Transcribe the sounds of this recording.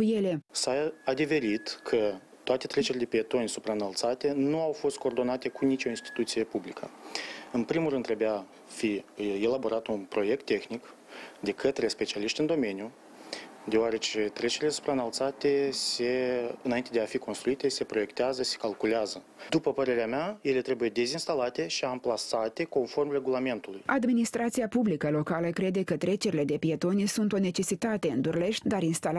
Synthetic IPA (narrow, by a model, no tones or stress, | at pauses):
kujelesaad̪ive̞ɾit̪kʰə | t̪oat̪e̞t̪ɾe̞t͡ʃe̞ɾʲled̪epiet̪o̞nʲsupɾaɨnalt̪sat̪e̞nuawfo̞st̪̚ko̞ːrd̪o̞nat̪e̞kunit͡ʃʲo̞inst̪i̥t̪ut̪sije̞publikʰəɨnpɾimulrɨnd̪ɾebea | fie̞labo̞ɾat̪unpɾo̞je̞k̚t̪ːe̞xnik | d̪e̞kət̪ɾe̞spe̞t͡ʃialiʃt̪ʲɨnd̪o̞me̞nju | d̪eoaɾe̞t͡ʃe̞t̪ɾe̞t͡ʃe̞ɾilesu̥pɾaɨnalt̪sat̪e̞se̞ɨnaint̪e̞d̪eafiko̞nst̪ɾuit̪e̞se̞pɾo̞je̞kt̪eazəse̞̥kalkuleazə | d̪upəpəɾe̞ɾeamaje̞le̞t̪ɾe̞buje̞d̪e̞zinst̪alat̪e̞ʃiamplasat̪e̞ko̞nfo̞rmre̞ɡulame̞nt̪ulujad̪minist̪ɾat̪siapublikəlo̞kaləkɾe̞d̪e̞kət̪ɾe̞t͡ʃe̞ɾile̞d̪e̞pije̞t̪o̞nisunt̪o̞ne̞t͡ʃe̞sit̪at̪e̞ɨnd̪urle̞ʃt̪ʲd̪aɾinst̪al